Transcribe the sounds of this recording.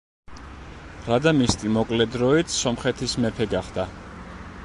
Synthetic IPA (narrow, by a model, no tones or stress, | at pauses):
ɾad̪amist̪ʼimɔkʼlɛd̪ɾɔit̪ssɔmχɛt̪ʰismɛpʰɛɡaχd̪a